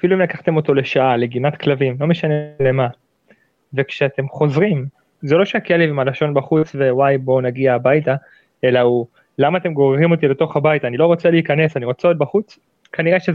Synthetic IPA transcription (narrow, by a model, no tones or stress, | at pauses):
afiluimlakaχt̪e̞mo̞t̪o̞le̞ʃaʔale̞ɡinat̪klavimlo̞meʃanele̞ma | ve̞kʃeat̪e̞mχo̞zʁim | ze̞lo̞ʃeakelevimalaʃo̞nbaχut͡sve̞wajbo̞naɡiaːbajta | e̞lau | lamaːt̪e̞mɡo̞ʁʁimo̞t̪ile̞to̞χhabajtaːnilo̞ʁo̞t͡seliikane̞saniʁo̞t͡seot̪̚baχut͡s | kaniʁeʃe